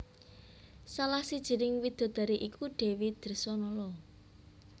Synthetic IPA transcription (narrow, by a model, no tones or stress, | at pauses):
salahsid̥ʒ̥i̤ɾɪŋwid̪̥o̤d̪̥a̤ɾiʔikuɖ̥e̤wid̪̥ə̤rsɔnɔlɔ